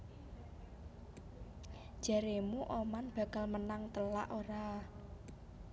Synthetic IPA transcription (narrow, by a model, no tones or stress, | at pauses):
ʒ̥a̤ɾemuʔomanb̥a̤kalmənaŋt̪əla̰ʔoɾa